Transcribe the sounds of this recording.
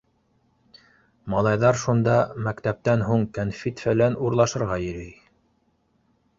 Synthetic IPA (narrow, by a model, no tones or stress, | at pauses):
mɑlˠɑjðɑɾʃund̪ɑmækt̪æp̚t̪ænɦuɴkænfit̪fælænuɾlˠɑʃɤ̆ɾʁɑjɘ̆ɾɘj